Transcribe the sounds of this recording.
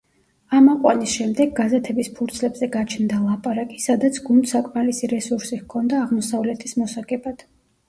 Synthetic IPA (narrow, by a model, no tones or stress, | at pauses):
amaqʼwa̰nisʃɛmd̪ɛɡːazɛt̪ʰɛbispʰuɾt̪sʰlɛbzɛɡat͡ʃʰnd̪alˠapʼaɾakʼisad̪at̪sʰɡund̪sakʼmalisiɾɛsuɾsihkʰɔnd̪aːʁmɔsavlɛt̪ʰismɔsaɡɛbad̪̥